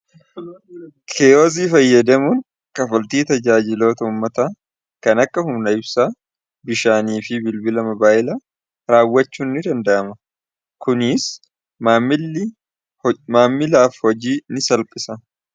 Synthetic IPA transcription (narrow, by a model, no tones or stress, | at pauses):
kʰeːjoːs̬iːfɐjːɐd̪ɐmʊn | kʼɐfɐlt̪iːt̪ɐd͡ʒaːd͡ʒɪlo̞ːt̪ɐʊmːɐt̪aː | kɐnɐkːɐhʊmnɐɪbsaː | bɪʃaːniːfɪbɪlbɪlɐmɐbaːʔɪla | ɾaːwːɐt͡ʃːuːnːɪd̪ɐnd̪ɐʔɐmɐ | kʊnɪs | m | maːmːɪlaːfhɔd͡ʒiːnɪsɐlpʼɪsɐ